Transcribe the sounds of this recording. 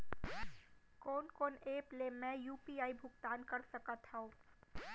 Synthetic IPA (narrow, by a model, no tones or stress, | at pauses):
kɔːnkɔːneːplemɛ̃juːpiːaːibʱʊkt̪aːnkɐɾsəkat̪ʰaõː